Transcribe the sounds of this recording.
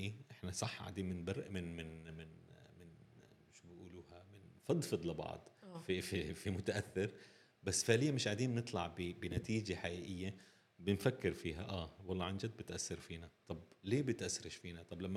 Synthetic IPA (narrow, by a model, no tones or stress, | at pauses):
ʔiʔɪħnasˤɑħːʕa̰d̪iːmɪnbɑɾˤʔmɪnmɪnmɪnmɪn | ɪʃmʔuːluːhamɪnfɑd̪ˤfɨd̪ˤlɪbɑ̰ʕd̪ˤfififimʊt̪aʔaθːɪɾ | basːfɪʕlɪjːamɪʃʕad̪iːmnɨt̪ˤlɑʕbɪbɪnat̪iːd͡ʒaħaʔiːʔɪjːa | bɪnfakːɪɾfiːɦaʔaːwɑlˤːɑʕand͡ʒad̪̚bɪt̪ʔasːɪɾfiːnat̪ˤɑbleːbɪt̪ʔasːɾɪʃfiːnat̪ˤɑblamːa